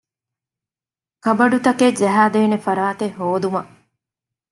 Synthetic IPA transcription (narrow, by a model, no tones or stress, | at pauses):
kɐbɐɖut̪ɐked͡ʒɐɦaːd̪eːnefɐɾaːt̪ehɦoːd̪umɐ